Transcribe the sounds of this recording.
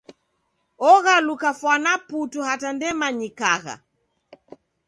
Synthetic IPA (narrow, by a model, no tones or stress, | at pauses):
ɔɣalukafwanaputuhatandɛmaɲikaɣa̰